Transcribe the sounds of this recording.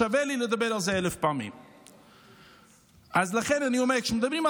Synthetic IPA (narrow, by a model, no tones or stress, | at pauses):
avɛliləd̪ɪbɛɾazeɛləfpamḭm | azləχɛnɪnjumɛkʃm̩d̪ɪbɾiːma